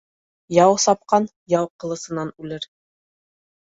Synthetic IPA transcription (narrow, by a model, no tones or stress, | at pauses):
jɑwsɒp̚qɑn | jɑwqɤ̆lˠɤ̆sɤ̆nɑnʉlɘɾ